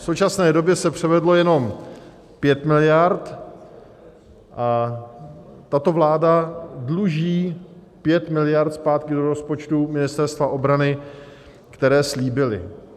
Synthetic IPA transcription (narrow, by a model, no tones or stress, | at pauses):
sowt͡ʃasnɛːdo̞bjɛsɛpr̝̥ɛvɛdlo̞jɛno̞m | pjɛt̪mɪlɪjaɾt̪ | ʔa | t̪at̪o̞vlaːdadluʒiː | pjɛt̪mɪlɪjaɾt̪spaːt̪kɪdo̞ɾospo̞t͡ʃt̪umɪnɪst̪ɛɾst̪vaʔo̞bɾanɪ | kt̪ɛɾɛːsliːbɪlɪ̰